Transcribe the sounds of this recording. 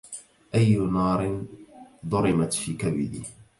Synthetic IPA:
ʔajːʊnɑːɾɪnd̪ˤʊɾɪmat̪fiːkabɪd̪ḭː

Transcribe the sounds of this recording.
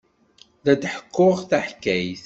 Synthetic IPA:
ðæd̪ħə̥kːʊʁθæħkːæjθ

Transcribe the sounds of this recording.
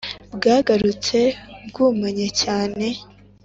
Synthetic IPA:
bɡaːɡaɾut͡se̞bɡuːmeɲecaːne̞

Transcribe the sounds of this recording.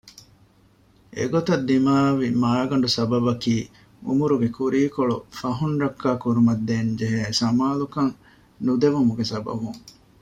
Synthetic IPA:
ḛɡot̪ɐd̪ːimaːʋimaːɡɐɳ̆ɖusɐbɐbɐkiː | ṵmuɾuɡekuɾiːkoɭufɐɦunɾɐkːaːkuɾumɐd̪ːeːnd͡ʒeɦesɐmaːlukɐŋ | nud̪eʋumuɡesɐbɐ̰buŋ

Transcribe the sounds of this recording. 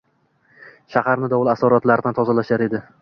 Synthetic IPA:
ʃahaɾnɪd̪ɒwɒlˠasɒɾɒt̪laɾd̪ant̪ʰɒzalaʃaɾe̞d̪ɪ

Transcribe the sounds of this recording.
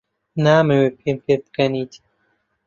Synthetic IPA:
naːmewepʰempʰebɨkɐniːt̪ʰi̥

